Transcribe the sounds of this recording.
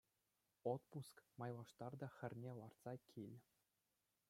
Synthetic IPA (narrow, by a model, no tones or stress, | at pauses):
ot̪puskmɑjlˠɑʂt̪ɑrd̪ɑxʲɘ̆rʲnʲelˠɑrt̪sɑkʲʰilʲ